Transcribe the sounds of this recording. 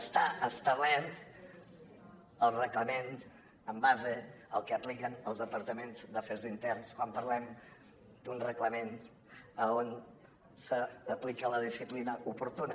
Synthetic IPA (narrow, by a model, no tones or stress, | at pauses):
əst̪aəst̪aβɛɾt̪ | əlˠrəkləmen | əmbazəəlˠkəəplikənəlˠzðəpəɾt̪əmenzd̪əfeɾzint̪ɛrnskwampəɾlɛm | d̪unrəkləmen | əon | səːplikələð̞isiplinəʔupuɾt̪unə